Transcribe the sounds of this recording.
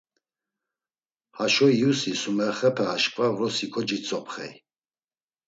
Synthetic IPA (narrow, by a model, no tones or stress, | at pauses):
haʃɔjusisumɛχɛpʰɛːʃkʼvavɾɔsikʰɔd͡ʒit͡sʼɔpʰχɛ̰j